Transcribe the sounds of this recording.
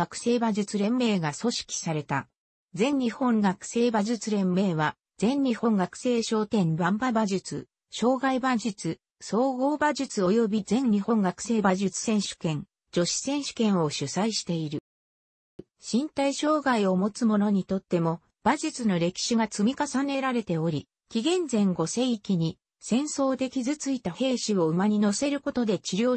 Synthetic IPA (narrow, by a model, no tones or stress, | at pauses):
akɯ̥se̞ːbaʑɨt͡sɨɾẽ̞mːe̞ːɡaso̞ɕi̥kʲi̥saɾe̞t̪a | d͡zẽ̞ɲːʲihõ̞ŋɡakɯ̟̥se̞ːbaʑɨt͡sɨɾẽ̞mːe̞ːβa | d͡zẽ̞ɲːʲihõ̞ŋɡakɯ̥se̞ːɕo̞ːt̪ẽ̞nbãmbabaʑɨt͡sɨ | ɕo̞ːɡaibad͡ʑɨt͡sɨ | so̞ːɡo̞ːbaʑɨt͡sɨo̞jo̞bʲizẽ̞ɲɲihõ̞ŋɡakɯ̟̥se̞ːbaʑɨt͡sɨ̥sẽ̞ɰ̃ɕɨ̥kẽ̞n | d͡ʑo̞ɕi̥sẽ̞ɰ̃ɕɨ̥kẽ̞ɰ̃o̞ɕɨsaiɕi̥t̪e̞iɾɯ̟ | ɕĩnt̪aiɕo̞ːɡaio̞mo̞t͡sɨmo̞no̞ɲ̟it̪o̞t̪ːe̞mo̞ | b̥aʑɨt͡sɨno̞ɾe̞kʲi̥ɕiɡat͡sɨmʲikasane̞ɾaɾe̞t̪e̞o̞ɾʲi | kʲiɡẽ̞nd͡zẽ̞ŋɡo̞se̞ikʲiɲ̟i | sẽ̞ɰ̃so̞ːd̪e̞kʲizɨt͡sɨit̪ahe̞ːɕio̞ɯ̟maɲ̟ino̞se̞ɾɯ̟ko̞t̪o̞d̪e̞t͡ɕiɾʲo̞ː